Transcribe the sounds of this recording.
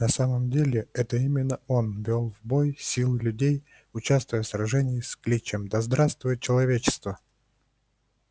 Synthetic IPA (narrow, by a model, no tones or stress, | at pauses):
nɐsaməmdʲelʲɪɛt̪əimʲɪnːəo̞nvʲolˠvbo̞jsʲilˠɨlʲʉdʲej | ʊt͡ɕast̪vʊjəsɾɐʐɛnʲɪjsʲklʲit͡ɕemd̪ɐzd̪ɾast̪vʊjət͡ɕɪlˠɐvʲet͡ɕɪ̥st̪və